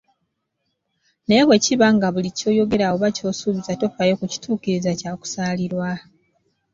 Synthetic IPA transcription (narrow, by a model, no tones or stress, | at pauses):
neːβwe̞ciβaŋɡaβulico̞ːjo̞ɡe̞ɾawoβaco̞ːsuːβizato̞fajo̞kuci̥tʰuːkiɾizacaːku̥saːliɾwa